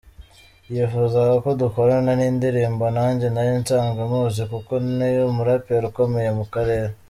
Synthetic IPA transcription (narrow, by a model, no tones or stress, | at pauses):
jifuzaɡako̞duko̞ɾananiːndiɾiːmbo̞naːɲɟenajiːnt͡ʃaːŋɡamuːzikuko̞nnijomuɾapeɾuko̞me̞je̞mukaɾe̞ːɾe